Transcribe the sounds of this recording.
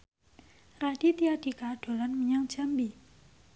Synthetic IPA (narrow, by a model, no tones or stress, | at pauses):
radit̪ijadikad̥olanməɲãŋt͡ɕʰambi